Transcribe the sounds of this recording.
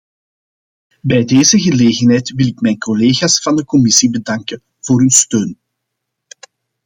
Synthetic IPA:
bɛjdeːzəɣəleːɣənɦɛːjtʋɪlɪkmɛːjnkɔleːɣaːsfɑndəkɔmɪsibədɑŋkə | v̥oːɾynstøːn

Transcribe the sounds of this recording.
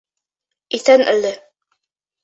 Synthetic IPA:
iθænʔɘ̰lːɘ

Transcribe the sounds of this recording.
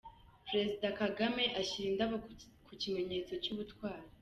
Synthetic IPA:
pɾe̞zidakaɡame̞ʔaɕiːndaβa | kucime̞ɲe̞ːt͡so̞cuːβutkwaːɾi

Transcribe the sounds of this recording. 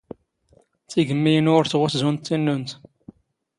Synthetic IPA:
t͡siɡəmːijənʊɾθʁʊθzunt̪ːinːunt̪

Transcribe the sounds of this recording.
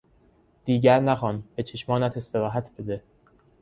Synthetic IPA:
d̪̥iːɟæɾnæxɒːnbe̞t͡ʃʰeʃmɒːnæt̪ʰe̞st̪e̞ɾɒːɦæt̪ʰb̥ed̪e

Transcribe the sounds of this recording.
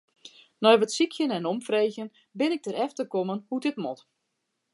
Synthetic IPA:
nɔjʋətsikʰjənɛnomfrejɣjən | bɪnɪk̚dəɾɛftəkomənhudɪtmɔt

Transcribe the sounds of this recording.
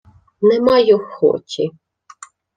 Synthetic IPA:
nɛmɑjʊxɔ̰tʲʰi

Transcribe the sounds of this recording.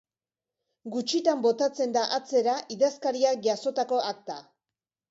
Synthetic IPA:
ɡut͡ʃit̪ambo̞t̪at͡se̞nd̪aʔat͡se̞ɾaʔiðaskaɾiak̚ʝaso̞t̪ako̞ʔak̚t̪a

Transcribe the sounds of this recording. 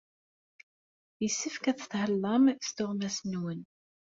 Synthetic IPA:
jəsːifkæθθhəlːɑmst̪ʊʁmæsnwən

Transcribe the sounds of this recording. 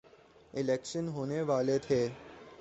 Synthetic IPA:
ɪleːkʃənɦoːneʋaːlet̪ʰeː

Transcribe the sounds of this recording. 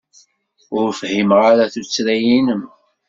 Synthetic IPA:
ʊɾfhimʁaɾæθut͡sːɾæjinəm

